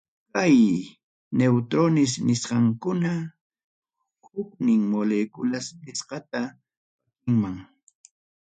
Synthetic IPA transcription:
kaj | newt̪ɾonɪs̬nɪsqɑŋkʊna | hʊknɪŋmolekʊlaspɪsqɑt̪a | akɪŋmaŋ

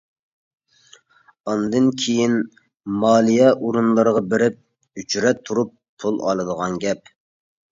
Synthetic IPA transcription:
ɑnd̪ɨnkʲʰejin | mɑːlˠijɛʔuɾunlˠɑɾəʁɑbɪɾɪp̚ | yt͡ʃʰyɾɛt̪ʰːuɾup̚ | pʰulˠɑ̰lˠɨd̪əʁɑnɡʲɛp̚

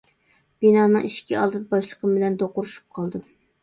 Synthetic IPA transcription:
b̥inɑːnɨŋiʃkʲiɑ̰lˠd̪ɨd̪ɑbɑʃlˠəqʰəmbɪlɛnd̪oqʊɾuʃu̥p̚qʰɑlˠd̪ɨ

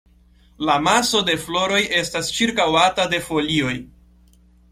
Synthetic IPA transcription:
lamaso̞de̞flo̞ɾo̞je̞stast͡ʃiɾkawatade̞fo̞lio̞j

